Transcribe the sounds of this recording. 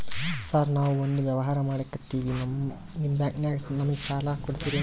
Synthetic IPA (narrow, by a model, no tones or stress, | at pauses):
saːɾnaːʋuond̪uʋjɐʋɐɦaːɾɐmaːɽekːɐt̪ːiːʋinɐm | nimbjaːknjaːɡnɐmɐɡesaːlɐkoɽit̪iːɾi